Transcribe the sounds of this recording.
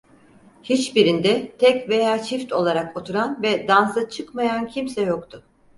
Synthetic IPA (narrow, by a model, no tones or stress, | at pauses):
hit͡ʃbiɾind̪ɛt̪ʰɛcve̞jaːt͡ʃʰift̪o̞lˠaɾako̞t̪ʰuɾanvɛd̪ansat͡ʃʰɯkmajancʰimsɛjokt̪ʰʊ